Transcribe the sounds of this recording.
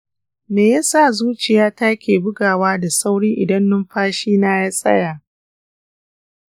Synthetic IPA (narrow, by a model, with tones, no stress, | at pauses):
meː˨ja˦sa˦˨zuː˦t͡ʃɪ˨jaː˦taː˦kʲeː˨bʊ˦ɡaː˨waː˦da˨sa˦wɽiː˦ʔɪ˨dɐ˦nːʊ˦mɸaː˦ʃiː˦naː˦jaː˦sʼɐ̰˦jaː˨